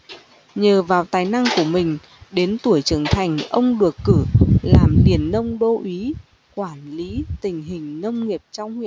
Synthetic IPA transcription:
ɲəː˨˩vaː˨˩wt̪aː˨˩jna˧ŋku˧˩əmï˨˩ŋ̟ | ɗe˨˦nt̪u˧˩əjt͡ɕɨ˨˩ŋt̪ʰa˨˩jŋ̟ʔə˧wŋ͡mɗɨ˨˩əkːɨ˧˩laː˨˩mli˨˩ənːə˧wŋ͡mɗo˧ʔi˨˦ | kwaː˧˩nli˨˦t̪ï˨˩ŋ̟ɦï˨˩ŋ̟nə˧wŋ͡mŋi˨˩əp̚t͡ɕɔ˧wŋ͡mhwḭ˧˨

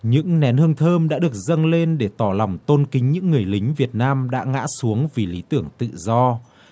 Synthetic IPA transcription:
ɲɨ̰˧˥ŋnɛ˨˦nhɨ˧əŋt̪ʰəː˧mɗa̰ː˧˥ɗɨ˨˩ək̚zə˧nle˧nɗe˧˩t̪ɔ˧˩lɔ˨˩wŋ͡mt̪o˧nkï˨˦ŋ̟ɲɨ̰˧˥ŋːɨ˨˩əjlï˨˦ŋ̟vi˨˩ət̚naː˧mɗa̰ː˧˥ŋa̰ː˧˥su˨˦əŋvi˨˩li˨˦t̪ɨ˧˩əŋt̪ɨ̰˧˨zɔ˧

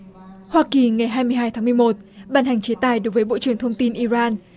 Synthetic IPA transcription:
hwaː˧ki˨˩ŋa˨˩jɦaː˧jmɨ˧əjɦaː˧jt̪ʰːmɨ˧jmo˨˩t̚ɓaː˧˩nha˨˩ŋ̟t͡ɕe˨˦t̪aː˨˩jɗo˨˦jvəː˨˦jɓo̰˧˨t͡ɕɨ˨˩əŋt̪ʰə˧wŋ͡mt̪i˧nʔi˧zaː˧n

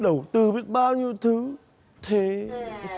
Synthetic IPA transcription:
ɗə˧˩wt̪ɨ˧vi˨˦˥ət̚ɓaː˧wɲi˧əwt̪ʰɨ˨˦ | t̪ʰe˨˩˦

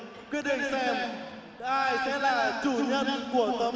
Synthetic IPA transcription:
kɨ˨˦˥ɗə˧˩sɛː˧m | ʔaː˧jsɛ˨˧˥laː˨˩t͡ɕu˨˧˩ɲə˧nku˧˩ət̪ə˨˦

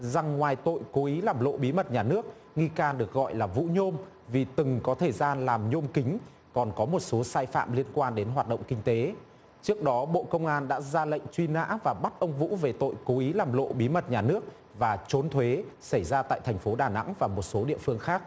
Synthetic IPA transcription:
za˨˩ŋːwaː˨˩jt̪o̰˧˨jko˨˦ʔi˨˦laː˨˩mlo̰˧˨ɓi˨˦mə˨˩t̚ɲaː˨˩nɨ˦˥ək̚ | ŋi˧kaː˧nɗɨ˨˩ək̚ɣɔ̰˧˨jlaː˨˩vṵ˧˥ɲo˧m | vi˨˩t̪ɨ˨˩ŋkɔ˨˦t̪ʰə˧˨˩jzaː˧nlaː˨˩mɲo˧mkï˨˦ŋ̟ | kɔ˨˩nkɔ˨˦mo˨˩t̚so˨˦saː˧jfa̰ː˧˨mli˧ənkwaː˧nɗe˨˦nɦwaː˨˩t̚ɗə̰˧˨wŋ͡mkï˧ŋ̟t̪e˨˦ | t͡ɕɨ˦˥ək̚ɗɔ˨˦ɓo̰˧˨kə˧wŋ͡mʔaː˧nɗa̰ː˧˥zaː˧lə̰˧˨jŋ̟t͡ɕwi˧na̰ː˧˥vaː˨˩ɓa˦˥t̚ʔə˧wŋ͡mvṵ˧˥ve˨˩t̪o̰˧˨jko˨˦ʔi˨˦laː˨˩mlo̰˧˨ɓi˨˦mə˨˩t̚ɲaː˨˩nɨ˦˥ək̚ | vaː˨˩t͡ɕo˨˦nt̪ʰwe˨˦sa˧˩jzaː˧t̪a̰ː˧˨jt̪ʰɛ˨˩jŋ̟fo˨˦ɗaː˨˩na̰˧˥ŋvaː˨˩mo˨˩t̚so˨˦ɗḭ˧əfɨ˧əŋxaː˦˥k̚

